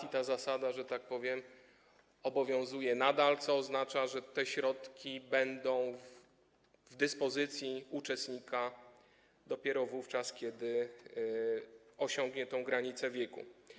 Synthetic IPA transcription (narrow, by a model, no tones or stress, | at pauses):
it̪azasad̪aʐɛt̪ak̚pɔvʲjɛm | ɔbɔvʲjɔ̃w̃zujɛnad̪alt̪sɔːznat͡ʂaʐɛt̪ɛɕɾɔt̪kʲibɛnd̪ɔ̃w̃v | vd̪ɘspɔzɘt̪sʲjiut͡ʂɛst̪ɲika | d̪ɔpʲjɛɾɔvuft͡ʂaskʲjɛd̪ɘ | ɔɕɔ̃ŋɡɲɛt̪ɛ̃w̃ɡɾaɲit̪sɛvʲjɛkṵ